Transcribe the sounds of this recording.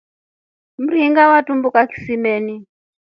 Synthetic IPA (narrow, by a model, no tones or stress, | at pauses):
m̩ɾiiŋɡawatumbukaki̥simɛːni